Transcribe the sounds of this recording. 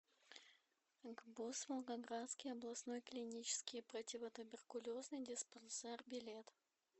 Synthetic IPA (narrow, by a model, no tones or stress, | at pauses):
ɡbusvəlˠɡɐɡɾat̪skʲɪjɐblˠɐsno̞jklʲɪnʲit͡ɕɪ̥skʲɪjpɾətʲɪvət̪ʊbʲɪrkʊlʲo̞znɨjdʲɪspɐnsɛrbʲɪlʲe̞t̪